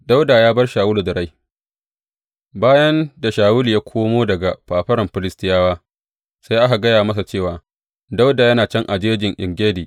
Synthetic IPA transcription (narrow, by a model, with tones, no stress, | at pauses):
da˦wdaː˨jaː˦bɐ˦rʃaː˨wʊ˦lu˨dɐ˨ɾa˦j | baː˦jɐ˦nda˨ʃaː˨wʊ˦li˨jaː˦kʷʰoː˦moː˦dɐ˨ɡa˨ɸaː˨ɸɐ˦ɾɐ˨mɸɪ˨lɪ˦stɪ˦jaː˦waː˦ | sa˦jʔa˦ɦa˨ɡɐ˦jaː˨mɐ˦s̬a˨t͡ʃeː˦˨waː˨ | da˦wdaː˨jɐ˦naː˨t͡ʃɐ˦ŋʔa˨d͡ʒeː˦d͡ʒɪ˨ŋʔɪ˨ŋɡʲeː˦diː˨